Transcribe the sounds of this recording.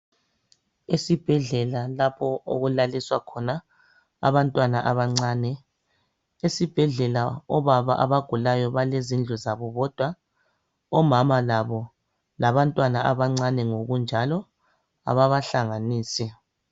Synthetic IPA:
esib̥ʱɛɮɛlalapʰɔo̰ɣulaliswakʰɔna | a̰βantʼwanaʔaβaŋ͡ǀaːnɛ | esib̥ʱɛɮɛlaɔβaβaʔaβaɡ̥ʱulajɔβalezind͡ɮʱɔzaβɔβɔd̥ʱwa | ɔmamalaβɔ | laβantʼwanaʔaβaŋ͡ǀanɛŋoɣund͡ʒʱalɔ | a̰βaβaɬaŋaniːsɛ

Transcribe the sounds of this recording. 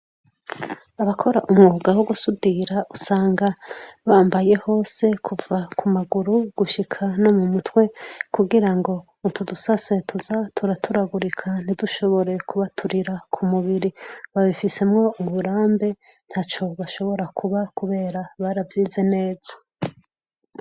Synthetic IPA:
aβakʰo̞ɾaʔumŋuɡawoɡusudiɾaʔusaːŋɡaβaːmbaje̞ho̞ːse̞kʰuvakʰumaɡuɾuɡ̥uʃikʰano̞mumutwe̞kuɡiɾaŋɡo̞ | utʰudusase̞tʰuzatʰuɾatʰuɾaɡuɾikʰan̥iduʃo̞βo̞ɾe̞kʰuβatʰuɾiɾakʰumuβiɾiβaβifise̞mŋo̞uβuɾaːmbe̞ | n̥haːt͡ʃo̞βaʃo̞βo̞ɾakʰuβakuβe̞ːɾaβaɾavjiːze̞ne̞ːz̥ḁ

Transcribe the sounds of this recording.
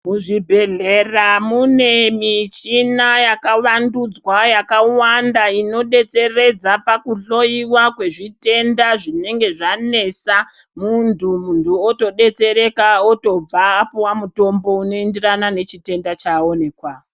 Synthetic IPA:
muʐibʱe̞ɮeramune̞mit͡ʃinajakaʋandud͡zwajakawandaino̞ɗe̞t͡se̞re̞d͡zapakuɬo̞iwakwe̞ʐite̞ndaʐine̞ŋɡe̞ʐane̞samuntʰumuntuoto̞ɗe̞t͡se̞ɾe̞kaoto̞b͡vaːpowamuto̞mbo̞uno̞endiranane̞t͡ʃite̞ndat͡ʃao̞ne̞kwa

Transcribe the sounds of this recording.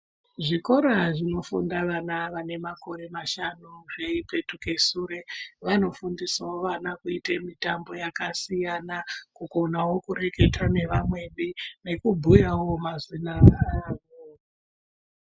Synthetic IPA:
ʐiko̞ɾaʐino̞fṵndaʋanaʋane̞mako̞ɾe̞maʃanuʐe̞ipe̞tuke̞suːɾe̞ʋano̞fundisaoʋanakuitemitambo̞jakasijanakuɡonawo̞kure̞ke̞twane̞ʋamwe̞ɓine̞kubʱujawo̞mazina

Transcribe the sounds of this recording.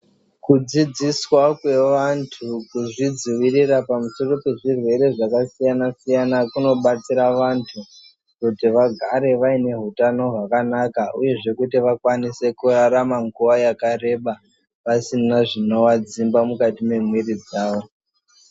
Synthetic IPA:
kud͡zid͡ziswakwe̞ʋantʰukuʐid͡ziʋirirapamuso̞ro̞pe̞ʐirwe̞ɾe̞ʐakasijanasijanakuno̞ɓat͡siɾaʋantʰu | kutiʋaɡʱaɾe̞ʋaine̞ɦutano̞ɦwakanakaʔuje̞ʐe̞kutiʋakwanise̞kuraɾamaŋɡuʋajakaɾe̞ɓa | ʋasinaʐino̞ʋad͡zimbamukatime̞mwirid͡zaːʋo̞

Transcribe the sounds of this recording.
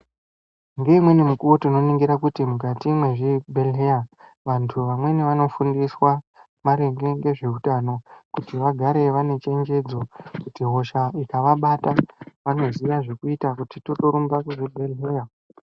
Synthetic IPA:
ŋɡe̞imwe̞nimukuwo̞tino̞niŋɡiɾakutimukatimwe̞ʐibʱe̞lɦea | ʋantʰuʋamwe̞neʋano̞fundiswa | ʋaɾeŋɡe̞ŋɡe̞ʐe̞utano̞kutiʋaɡʱaɾe̞ʋane̞t͡ʃe̞ɲd͡ʒe̞d͡zo̞kutiɦo̞ʃaikaʋaɓataʋano̞ziʋaʐe̞kuitakutito̞to̞ɾumbakuʐibʱe̞lɦea

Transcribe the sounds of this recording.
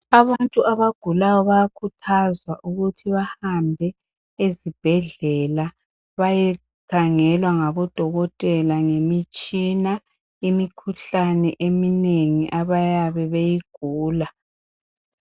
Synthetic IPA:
aβantʼuʔaβaɡ̥ʱulajɔβajakʰutʰazwaʔuɣutʰiβahambʱɛ | ezib̥ʱɛɮɛla | βajɛ | kʰaŋɛlwaŋaβɔd̥ʱɔɣɔtʼɛlaŋemit͡ʃʼina | imikʰuɬanɛ̰ʔemineŋiʔaβajaβɛβejiɡ̥ʱuːla

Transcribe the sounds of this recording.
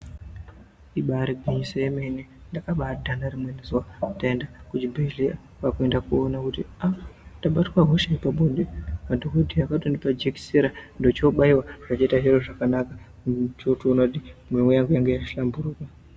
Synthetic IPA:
iɓaɾiɡʱiɲiseemenendakaɓadʱanaɾimwenizuwandaendakud͡ʒibʱelia | kakuendakuonakutiandaɓatwaɦoʃeipaɓondemadokodʱiaakatondipad͡ʒeki̥seɾandot͡ʃoɓaiwaʐ̥at͡ʃaitaʐiɾoʐakanaka | t͡ʃotuonakutimwewejaŋɡejaŋɡejaʃi̥ɬambuɾuːka

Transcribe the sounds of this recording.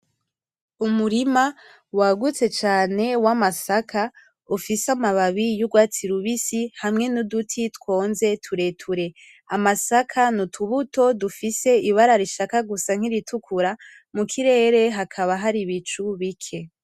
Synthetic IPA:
umuɾima | waɡut͡se̞t͡ʃaːne̞wamasakʰa | ufisamaβaβijuɡwaːt͡siɾuβisihamŋe̞nudutʰitwo̞ːnze̞tʰuɾe̞tʰuɾe̞ | amasakʰanutʰuβuto̞dufise̞iβaɾaɾiʃakaɡusaŋ̥iɾitʰukʰuɾa | mukʰiɾe̞ːɾe̞ɦakʰaβaɦaɾiβit͡ʃuβikʰe̞

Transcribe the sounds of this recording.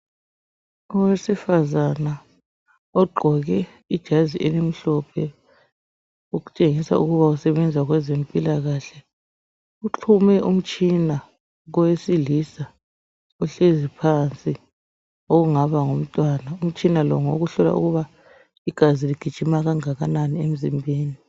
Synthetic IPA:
ɔwesifazana | ɔɡ͡ǃʱɔɣɛ | id̥ʒ̥ʱaziʔɛlem̩ɬɔpʰɛ | uɣu̥t͡ʃʼeŋisa̰uɣuβausɛβɛnd͡zʱaɣwɛzempʼilaɣaɬɛ | uǁʰumɛʔum̩t͡ʃʼina | ɣɔwesilisa | uɬezipʰant͡sʼi | oɣuŋaβaŋom̩tʼwanaum̩t͡ʃʼinalɔ̰ŋoɣuɬɔla̰ʔṵɣuβa | iɡ̥ʱaziliɡ̥ʱid̥ʒ̥ʱimaɣaŋaɣananiem̩zimbʱeːni

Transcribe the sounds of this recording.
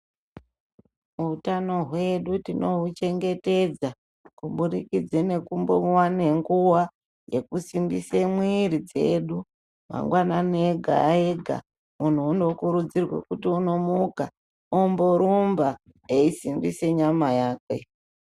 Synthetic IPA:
muutano̞ɦwe̞ɗutino̞ɦut͡ʃe̞ŋɡe̞te̞d͡za | kuɓuɾikid͡zene̞kumbowane̞ŋɡuwa | je̞kusimbisemwiɾid͡ze̞ɗu | ma̰ŋɡwanane̞ɡʱa̰eɡʱa̰ | mun̤uːno̞kuɾud͡zirwe̞̰kutiuno̞muka | omboɾumba | eisimbise̞ɲamajaːkwe̞̰

